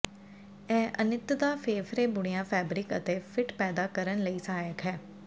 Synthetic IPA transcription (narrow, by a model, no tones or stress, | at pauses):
ɛːʔənɪt̪d̪aːfʰeːfʰɾeːbʊɽ̃ɪjãːpʰɛːbɾɪkə̰t̪eːfʰɪʈpɛːd̪aːkəɾənləiːsaːjəkɦɛː